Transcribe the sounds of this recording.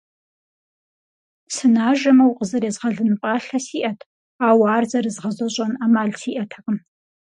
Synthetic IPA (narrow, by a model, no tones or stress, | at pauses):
sɨnaːʒɐmɐwqʼəzɐɾeːzʁɐɮɨnɨpʼaːɬɐsiːʔɐtʰ | aːwaːrzɐrɨzʁɐzɐɕʼɐnaːmaːɮsiːʔɐtʰɐqʼɨm